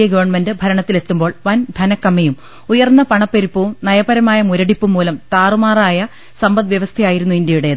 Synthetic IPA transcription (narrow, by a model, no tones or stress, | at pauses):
jɐɡɐʋɐrɳme̞ndɨbʱɐɾɐɳɐt̪ːile̞t̪ːumbo̞ːɭʋɐnd̪ʱɐnɐkːɐmːejum | ujɐrnːɐpɐɳɐpːeɾupːɐʋumnɐjɐbɐɾɐmaːjɐmuɾɐɽipːumːuːlɐmt̪aːrumaːraːjɐ | sɐmbɐðʋjɐʋɐst̪ʰɐjaːjiɾunːuind̪jɐjuɽe̞ɐð